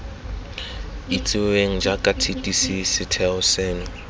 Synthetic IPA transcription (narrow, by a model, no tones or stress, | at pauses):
it͡sʼɪeŋ̩d͡ʒakʼatʰitʼisisɪtʰɛʊsɛːnʊ